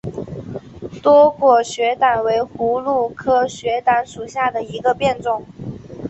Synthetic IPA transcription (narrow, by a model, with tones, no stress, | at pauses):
t̪wɔ˥kwɔ˥˩ɕɥɛ˧˥t̪a˨˩nwe˧˥ɪxu˧˥lu˥˩kʰɤ˥ɕɥɛ˧˥t̪a˧˥nʂu˨˩ɕja˥˩d̪ə˩i˧˥ɡə˧pjɛ˥˧nʈ͡ʂʊ˥˩ŋ